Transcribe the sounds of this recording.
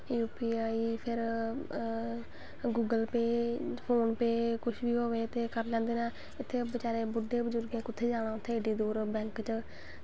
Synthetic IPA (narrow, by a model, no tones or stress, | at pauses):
juːpiːaːiːpʰɪɾ | ɡuːɡəlpeːpʰoːnpeːkʊʃʰʋiːɦoːʋeːt̪eːkəɾlãːnd̪eːnaː | ɪt̪ʰːeːbət͡ʃaːɾeːbʊɖeːbəzʊɾɡẽːkʊt̪ʰːeːd͡ʒaːɽ̃aːʊt̪ʰːeːɖiːd̪uːɾbɛ̃ːŋkt͡ʃ